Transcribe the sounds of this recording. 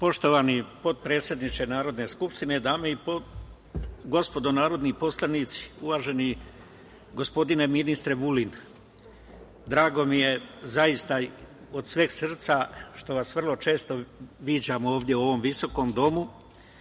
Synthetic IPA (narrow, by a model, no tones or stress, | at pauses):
po̞ʃt̪o̞ʋanipo̞dt̪̚pɾe̞ːsjed̪nit͡ʃe̞naːɾo̞d̪ne̞skupʃt̪ine̞d̪aːmeipo | ɡo̞spo̞d̪o̞naːɾo̞d̪nipo̞slˠanit̪si̥uʋaːʒe̞ni | ɡo̞spo̞d̪ine̞minist̪ɾeʋulin | d̪ɾaːɡo̞mije̞zajist̪a | o̞d̪sʋeːɡsr̩t̪saʃt̪o̞ʋasʋr̩lˠo̞t͡ʃe̞ːst̪o̞ʋiːd͡ʑamooːʋd̪je̞uo̞ʋo̞mʋiso̞ko̞md̪o̞mu